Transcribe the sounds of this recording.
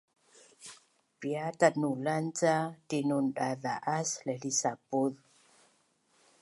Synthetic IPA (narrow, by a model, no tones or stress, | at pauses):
piatanulant͡satinunɗaðaʔaslɛlisapuð